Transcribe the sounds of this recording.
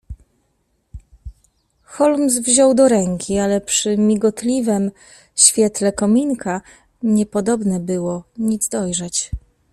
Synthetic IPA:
xɔlmsvʑɔwd̪ɔɾɛŋkʲialɛpʂɘmʲiɡɔt̪lʲivɛm | ɕfʲjɛt̪lɛkɔmʲinkʰa | ɲɛpɔd̪ɔbnɛbɘwɔɲid̪zd̪ɔjʐɛt͡ɕ

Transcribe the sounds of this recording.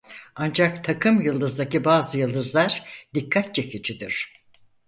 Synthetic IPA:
and͡ʒakt̪ʰakʰɯmjɯlˠd̪ɯzd̪acibaːzɯjɯlˠd̪ɯzlˠaɾd̪ikʰːat̪̚t͡ʃʰekʰid͡ʒʰid̪iɾ̥

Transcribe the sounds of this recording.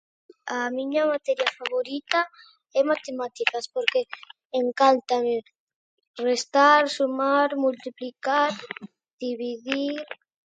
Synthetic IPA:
amiɲamat̪ɛɾjafaβoɾit̪a | ɛmat̪emat̪ikaspoɾkeː | ŋkant̪ame | rest̪aɾsumaɾmult̪iplikaɾ | d̪̥iβiðiɾ

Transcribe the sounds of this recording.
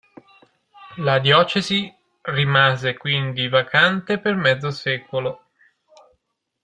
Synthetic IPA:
lad̪jɔːt͡ʃezi | rimaːzekwind̪ivakʰant̪epermɛd̪zːosɛːkolo

